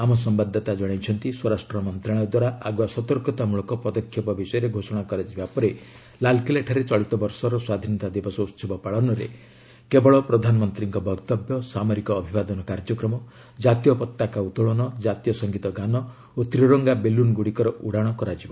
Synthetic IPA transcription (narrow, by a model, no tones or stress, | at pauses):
amɔsɔmbad̪ʱːɔt̪ad͡ʒɔɽ̃ajt͡ʃʰɔnt̪iswɔɾasʈɾɔmɔnt̪ɾaɽ̃ɔd̪waɾaaɡuasɔt̪ɔɾkɔt̪amuɭɔkɔpɔd̪ɔkʰːjɔpɔbisɔjɔɾeɡʱosɔɽ̃akɔɾad͡ʒibapɔɾe | lalkileʈʰaɾet͡ʃɔɭit̪ɔbɔɾsɔɾɔswad̪ʱinɔt̪ad̪ebɔsɔut̪sɔbɔpaɭɔnɔɾḛ | kebɔɭɔpɾɔd̪ʱanɔmɔnt̪ɾiŋkɔbʱɔɡt̪ɔbjɔsamɔɾikɔːbʱibad̪ɔnɔkaɾd͡ʒɔkɾɔmɔ | d͡ʒat̪ijɔpɔt̪ːakaut̪ɔɭɔnɔd͡ʒat̪ijɔsɔŋɡit̪ɔɡanɔ | ot̪ɾiɾɔŋɡabelunɡuɽikɔɾɔʔuɽaɽ̃ɔkɔɾad͡ʒiba